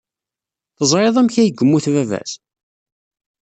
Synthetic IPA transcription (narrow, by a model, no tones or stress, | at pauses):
θəzˤɾˤeðˤæmçæjəɡəmːuθvævæ̰s